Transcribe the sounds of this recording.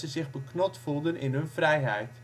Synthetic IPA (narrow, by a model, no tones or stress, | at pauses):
səzɪχbəknɔtfulˠdənɪ̰nɦɵnvrɛjɦɛjt